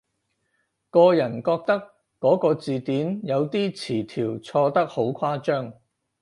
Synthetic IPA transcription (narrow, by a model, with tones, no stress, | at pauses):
kɔː˧jɐ˨˩nkɔː˧k̚t̪ɐ˥kː | ɔː˨˥kɔː˧t͡siː˨t̪iː˨˥njɐ˨˧wt̪iː˥t͡sʰiː˨˩t̪ʰiː˨˩wt͡sʰɔː˧t̪ɐ˥k̚ho˨˥wkʷʰaː˥t͡ʃœː˥ŋ